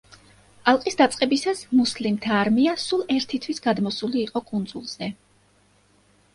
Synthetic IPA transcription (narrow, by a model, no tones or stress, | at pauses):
alˠqʼisd̪at̪sʼqʼɛbisasmuslimt̪ʰaːɾmiasulˠɛɾt̪ʰit̪ʰwisɡad̪mɔsuliːqʼɔkʼund̪zulˠz̥ɛ